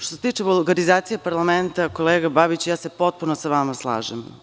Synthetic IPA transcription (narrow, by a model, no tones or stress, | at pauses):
ʃt̪oset̪iːt͡ʂebulˠɡaɾizaːt̪sijepaɾlˠament̪ako̞lˠeːɡababit͡ɕjaːse̞po̞t̪̚punosaʋamaslˠa̰ːʒem